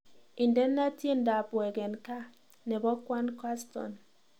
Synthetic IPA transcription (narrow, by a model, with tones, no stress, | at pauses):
i˨ndɛ˦nːa˦tje˦n˦da˨bwɛ˨ɡɛ˨nka˦ | nɛ˨bɔ˦kwa˦nkwa˦stɔ̰˨n